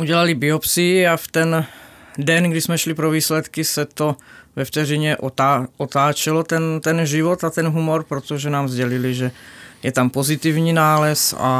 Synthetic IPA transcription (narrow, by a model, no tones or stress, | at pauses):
ʔuɟɛlalibɪopsiaft̪ɛn | dɛnɡdɪsmɛʃlipɾoviːslɛt̪kɪsɛt̪o̞vɛft̪ɛrɪɲɛʔoaot̪aːt͡ʃɛlot̪ɛnt̪ɛnʒɪvot̪at̪ɛnɦumo̞ɾpɾot̪oʒɛnaːmzɟɛlɪlɪʒɛjɛt̪ampo̞zɪt̪ivɲiːnaːlɛsa̰